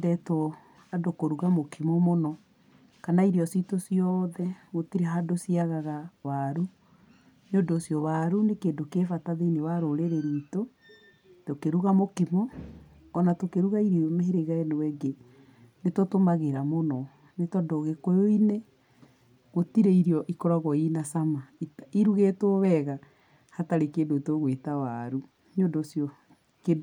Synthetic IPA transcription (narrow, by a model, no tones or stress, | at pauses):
dɛto | hadokoɾuɣamokimɔmonɔ | kanaiɾiɔsitosijɔðɛɣotiɾeɦadosiaɣaɣawaɾu | nondoːsjɔwaɾunekeːdokefataðenewaɾoɾeɾeɾiːto | tokeɾuɣamokimɔː | natokeɾuɣaiɾimeɦeɾeɣaenewɛɡe | netotomaɣeɾamonɔ | netɔdoɣekojoine | ɣotiɾeiɾiɔʔikɔɾaɣɔinasamaiiɾuɣetoβɛɣa | hataɾekeːndoitoɣwetawaɾu | ɲodosjɔ | ke